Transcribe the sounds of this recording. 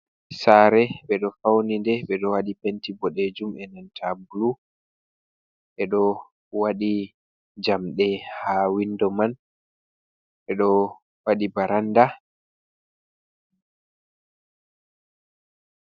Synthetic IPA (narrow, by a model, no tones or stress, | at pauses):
saɾɛɓɛɗɔfawnindɛɓɛɗɔwaɗipentibɔɗed͡ʒumɛnantʰabulu | ʔɛɗɔ | waɗi | d͡ʒamɗɛhawindɔman | ɓɛɗɔ | waɗibaɾanda